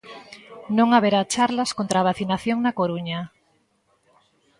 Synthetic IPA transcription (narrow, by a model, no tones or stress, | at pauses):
nõŋaβeɾat͡ʃaɾlaskont̪ɾaːβ̞aθinaθjoŋnakoɾuɲa